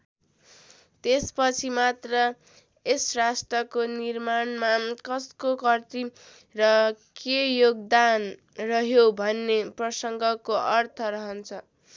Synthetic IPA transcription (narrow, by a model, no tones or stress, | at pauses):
t̪espʌt͡sʰimat̪rʌ | esrasʈrʌkonirmanmakʌskokʌrt̪i | rʌkejoɡ̚d̪an | rʌɦjobʱʌnːeprʌsʌŋɡʌkoʔʌrt̪ʰʌɾʌɦʌnt͡sʰʌ